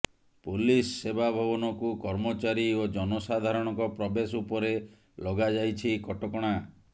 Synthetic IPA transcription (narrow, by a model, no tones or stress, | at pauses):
pulisːebabʱɔbɔnɔkukɔɾmɔt͡ʃaɾiod͡ʒɔnɔsad̪ʱaɾɔɽ̃ɔŋkɔpɾɔbesupɔɾe | lɔɡad͡ʒajt͡ʃʰikɔʈɔkɔɽ̃a